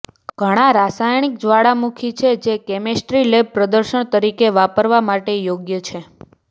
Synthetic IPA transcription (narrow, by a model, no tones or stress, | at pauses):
ɡ̥ʱəɽ̃aɾasajɳik̚d͡ʒʋaɽamukʰit͡ʃʰed͡ʒekɛmesʈɾileb̚pɾəd̪əɾʃəɳ̃t̪əɾikeʋapəɾʋamaʈejoɡjət͡ʃʰe